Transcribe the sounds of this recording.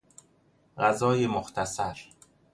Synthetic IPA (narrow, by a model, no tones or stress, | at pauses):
ɢæzɒːjemoxt̪ʰæsæɾ